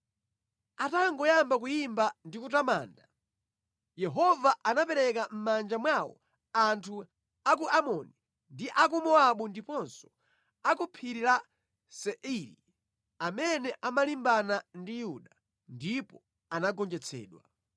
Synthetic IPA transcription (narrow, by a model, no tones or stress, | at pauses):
ataŋɡɔjambakujimbandikutama̰ːnda | jɛɦɔvaʔanapɛɾɛkam̩mand͡ʒamwawɔ̰ | antʰu | ak̬uamɔni | ndiʔak̬umɔaɓundipɔnsɔ̥ | akupʰiɾila | sɛʔiɾḭ | amɛnɛʔamalimbanandijuɗa | ndipɔ | anaɡɔnd͡ʒɛt͡sʰɛ̰ːɗwa